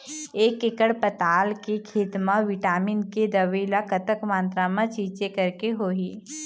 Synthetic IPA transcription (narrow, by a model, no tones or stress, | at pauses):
eːkekəɽpɐt̪aːlkekʰeːt̪mãʋɪʈaːmiːnked̪ɐʋiːlakɐt̪əkmãːnt̪ɾamãt͡ʃiːt͡ʃekɐɾkeɦoːiː